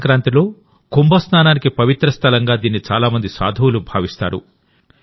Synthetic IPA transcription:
kɾaːnt̪ilo̞ː | kumbɐsnaːnaːnikipɐʋit̪ɾɐst̪ʰɐlɐŋɡaːd̪iːnːit͡ʃaːlaːmɐnd̪isa̰ːd̪ʱɐwulubʱa̰ːʋist̪a̰ːɾṵ

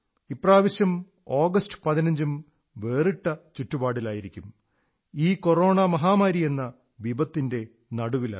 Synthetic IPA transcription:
ipːraːʋɐɕjɐm | o̞ːɡɐstɨ̥pɐðinɐɲd͡ʑum | ʋe̞ːriʈːɐt͡ɕutːubaːɽilaːjiɾikʲːum | iːko̞ro̞ːɳɐmɐɦaːmaːɾije̞nːɐ | ʋibɐt̪ːinde̞ | nɐɽuʋila̰

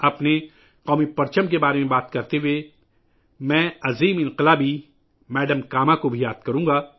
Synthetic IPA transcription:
ɐpne | qɔːmipɐɾt͡ʃəmk̬ebaːɾemẽbaːt̪kɐɾt̪eɦue | mɛ̃ːɐziːmɪ̃nqɪlaːbi | mɛːɖəmkaːmakobʱijaːd̪̚kɐɾũːɡaː

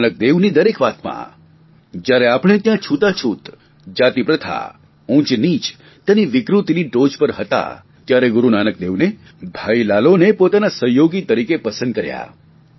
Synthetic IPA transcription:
nək̚d̪eʋnid̪əɾekʋat̪mã̰ | d͡ʒjaɾeapɽ̃et̪jãt͡ʃʰut̪at͡ʃʰut̪ | d͡ʒat̪ipɾət̪ʰa̰ | ũt͡ʃnit͡ʃ | t̪aniʋɪkɾut̪iniɖod͡ʒpəɾɦət̪a̰ | t̪jaɾeɡʊɾunanək̚d̪eʋne | bʱailalonepot̪anasəɦjoɡit̪əɾikepəsə̃nd̪̚kəɾja̰

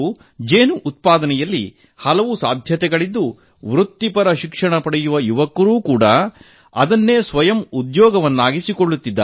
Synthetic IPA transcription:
d͡ʒeːnuʔːt̪̚paːd̪ɐnɛjɐlːḭ | hɐlɐʋusaːd̪ʱjɐt̪ɛɡɐɭid̪ːu | ʋɾut̪ːipɐɾɐʃikʂɐɳɐpɐɽɛjuʋɐjuʋɐkːɐɾuːkuːɽɐ | ɐd̪ɐnːe̞ːsʋɐjɐmud̪jɔːɡɐʋɐnːaːɡisikoɭːut̪ːid̪ːa̰

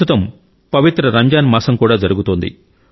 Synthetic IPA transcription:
ut̪ɐm | pɐʋit̪ɾɐɾɐɲd͡ʒaːnmɐːsɐmkuːɽaːd͡ʒɐɾuɡut̪oːnd̪ḭ

